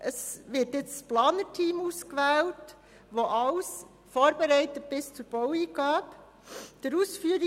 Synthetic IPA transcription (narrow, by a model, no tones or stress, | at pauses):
ʔəsʋɪːɾtjɪt͡ssplɑːnətʰiːmuːskʋɛːlt | ʋoʔɑls | foːɾbeɾɛɪtət̚b̥ɪst͡suɾb̥ɔwiːɡɑːp | d̥əɾuːsfyːəɾi